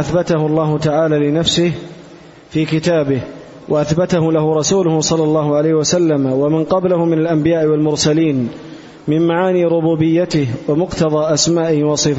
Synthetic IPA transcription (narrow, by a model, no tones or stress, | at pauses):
ʔaθbat̪ahʊlˤːɑːɦʊt̪aʕaːlaːlɪnafsɪh | fiːkɪt̪aːbɪh | wʔaʔaθbat̪aɦʊlahʊɾˤɑsuːlʊhʊsˤɑlːɑlˤːɑːɦʊʕalajhɪwasalːamawamɪnqɑblahʊmɪnalʔambɪjaːʔɪwalmʊɾsaliːn | mɪmmaʕaːniːɾʊbuːbɪjːat̪ɪhwamʊqt̪ɑðˤɑːʔasmaːʔɪhɪwɑsˤɨf